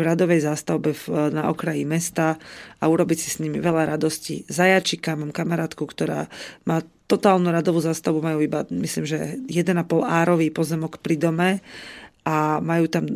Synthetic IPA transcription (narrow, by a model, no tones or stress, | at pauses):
vɾad̪ɔʋɛjzast̪aʊbɛvnaʔɔkɾajimɛst̪aauɾɔbicsi̥sɲimiʋɛlaɾad̪ɔscḭzajat͡ʃikamaːmkamaɾaːt̪kukt̪ɔɾa̰ːmaːt̪ɔt̪aːlnuɾad̪ɔʋuːzaːst̪aʊbumajuːibamisliːmʒɛjɛd̪ɛnapɔlaːɾɔʋiːpɔzɛmɔkpɾid̪ɔmɛ | ʔamajuːt̪am